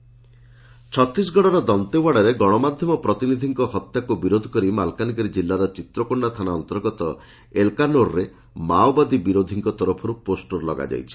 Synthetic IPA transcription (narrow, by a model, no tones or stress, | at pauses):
t͡ʃʰɔt̪ɾis̬ɡɔɽ̃ɔɾɔd̪ɔnt̪ewaɽaɾeɡɔɽ̃ɔmad̪ʱjɔmɔpɾɔt̪inid̪ʱiŋkɔhɔt̪jakubiɾod̪ʱɔ̥kɔɾimalkanikɔɾid͡ʒilːaɾɔt͡ʃit̪ɾɔkɔɳɖat̪ʰanaɔnt̪ɔɾɡɔt̪ɔ | elkanoɾɾe | mawbad̪ibiɾod̪ʱiŋkɔt̪ɔɾɔpʰɔɾuposʈoɾlɔɡa̰d͡ʒa̰jt͡ʃʰi̥